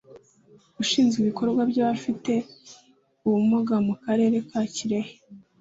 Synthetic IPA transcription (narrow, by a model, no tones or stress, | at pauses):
uʃiːnzɡiβiko̞ɾɡwabɟaβafite̞ | uβumuɡamukaɾe̞ːɾe̞kaciɾe̞he̥